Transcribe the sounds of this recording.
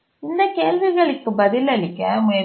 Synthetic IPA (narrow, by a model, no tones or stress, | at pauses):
ɪnd̪ɐkeːlʋɪɣɐɭɯkːɯbɐðɪlɐlɪkːɐmʊjɐ